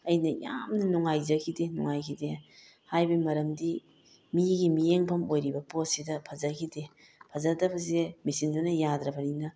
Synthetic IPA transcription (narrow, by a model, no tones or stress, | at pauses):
ɐjnɐja̰mnɐnuŋajzɐkʰidenuŋajkʰide | hajbɐmɐɾɐmdi | miɡimijeŋpʰɐmojɾibɐpot̚sidɐpʰɐzɐkʰide | pʰɐzadɐbɐzemisindunɐjadɾɐbɐninɐ